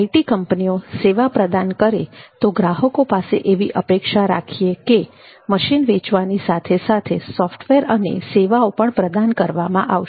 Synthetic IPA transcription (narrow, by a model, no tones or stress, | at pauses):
aiʈikəmpnioseʋapɾəd̪ankəɾet̪oɡɾaɦəkopasḛʔeʋiʔəpekʃaɾa̰kʰieke | məʃinʋet͡ʃʋanisat̪ʰesat̪ʰesɔfʈʰʋeɾənḛseʋaopəɳpɾəd̪ankəɾʋamãʔaʋʃ